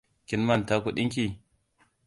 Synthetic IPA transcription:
kʲɪ˦nma˨nta˦ku˦ɗi˦kʲi˨

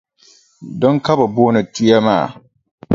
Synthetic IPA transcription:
dɔ˦ŋka˦ba˨boː˦nɨ˨tu˦ja˦ma̰ː˦˨

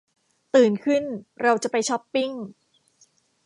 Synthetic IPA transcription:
t̪ɯː˨˩nkʰɯ˥˩nɾa˧wt͡ɕa˨˩pa˧jt͡ɕʰɔ˦˥pːi˥˩ŋ

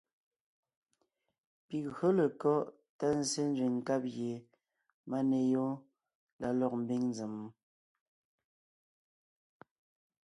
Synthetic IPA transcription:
pi˨ɣɰo˦lə˨kɔ˦ʔ | ta˦n̩˨se˦n˦zwi˨ŋ̩˨ka˦p̚ɣje˨ | ma˦ne˨jɔ˦ | la˨lɔ˨k̚m̩˨bi˦ŋn˦d͡ze˨m˨˦

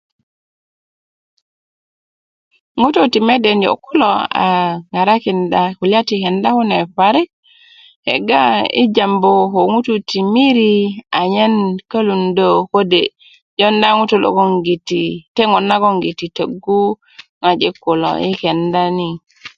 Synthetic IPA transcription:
ŋu˦to˦ti˨me˦de˨njo̰˨kːu˦loa̰˨ŋa˨ɾa˦ki˨ndaku˨lja˦tihe˨nda˦ku˦ne˨ɸa˨ɾi˦k̚ | hḛ˨ɡa˦ḭ˦d͡ʒa˨mbo˨ko˨ŋu˦tu˨ti˨mi˦ɾi˦a˨ɲe˦nka˦lu˨ndo˦ko˦de | ɟo˦nda˦ŋu˦tu˨lo̰˦ko˦ŋɡi˨tite˦ŋo˨nːa˦ɡo˦ŋɡi˨ti˨te˨ɡu˦ | ŋa˨d͡ʒe˦kːu˨lo̰˨i˦ke˨nda˦ni

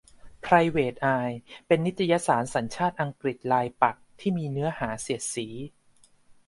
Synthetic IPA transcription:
pʰɾa˧jweː˨˩t̪̚ʔaː˧jpe˧nːi˦˥t̪ʰːa˧ja˦˥saː˩˦nsa˩˦nt͡ɕʰaː˥˩t̪̚ʔa˧ŋkɾi˨˩t̪̚laː˧jpa˨˩k̚t̪ʰiː˥˩miː˧nɯ˦˥ɐhaː˩˦si˨˩ət̪̚siː˩˦

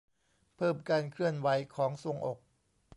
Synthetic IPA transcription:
pʰɤː˥˩mkaː˧nkʰɾɯ˥˩ənwa˩˦jkʰɔː˩˦ŋso˧˩˦ŋʔo˨˩k̚

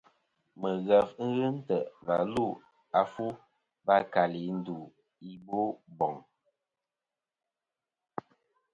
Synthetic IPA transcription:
mə˨ɣə˨fŋ̩˦ɣə˦n̩˦tə˨va˨lu˦˨ | a˨fu˦ | ba˦ka˨li˨˦n̩˦du˨ | i˦˨bo˦bɔ˨ŋ

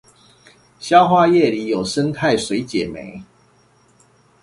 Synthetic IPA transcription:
ɕjɑ˥˦ʊxwa˥jɛ˥˨li˨˦jo˨˩ʊʂə˦nt̪ʰa˥˨ɪswe˨˦ɪt͡ɕjɛ˨˩mḛ˨˦ɪ

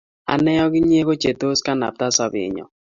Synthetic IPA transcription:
a̰˨nɛ˦jɔ˦ɡɪ˦ɲ˦e˦ko˦t͡ʃe˨to˦ska˦na̰˨p̚ta˦sa˦bɪ̰˨ɲɔ̰˨

